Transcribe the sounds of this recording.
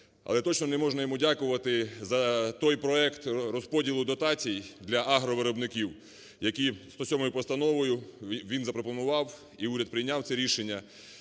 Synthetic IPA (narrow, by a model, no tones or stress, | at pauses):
ɐ̰lˠɛt̪ɔt͡ʃnɔnɛmɔʒnɐjɔmudʲakʊʋɐt̪ɪzɐt̪ɔjpɾɔɛkt̪rɔspɔdʲilˠʊd̪ɔt̪ɑt͡sʲijd̪lʲɐʔaɦɾɔʋɪɾɔbnɪkʲiw | jɐkʲist̪ɔsʲɔmɔjʊpɔst̪ɐnɔʋɔjʊʋʲinzɐpɾɔpɔnʊʋɑw | iuɾʲɐd̪̚pɾɪjnʲawt̪sɛɾʲiʃenʲːɐ